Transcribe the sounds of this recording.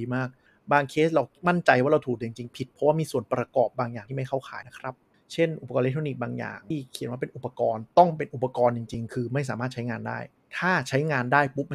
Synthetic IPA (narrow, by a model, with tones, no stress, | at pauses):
iː˧maː˥˩k̚ | baː˧ŋkʰeː˦˥s̚ɾa˧wma˥˩nt͡ɕa˧jwaː˥˩ɾa˧wt̪ʰuː˨˩k̚dɯ˧˩ə˨ŋt͡ɕi˧ŋpʰi˨˩t̪̚pʰɔ˦˥waː˥˩miː˧su˨˩ənpɾa˧kɔː˨˩p̚baː˧ŋjaː˨˩iː˥˩ma˥˩jkʰa˥˩wkʰa̰ː˨˦jna˦˥kʰɾa˦˥p̚ | t͡ɕʰe˥˩nʔu˨˩pːa˧kɔː˧le˦˥t̪ʰɾoː˧niː˨˩k̚baː˧ŋja̰ː˨˩ŋi˥˩kʰi˨˩˦ə˦nwaː˥˩pe˧nʔu˨˩pːa˧kɔː˧nt̪ɔ˥˩ŋpe˧nʔu˨˩pːa˧kɔː˧nt͡ɕi˨ŋt͡ɕi˧ŋkʰɯː˧ma˥˩js̬aː˩˦maː˥˩t̪̚t͡ɕʰa˦˥jŋaː˧nda̰ː˥˩j | t̪ʰaː˥˩t͡ɕʰa˦˥jŋaː˧ndaː˥˩jpu˦˥p̚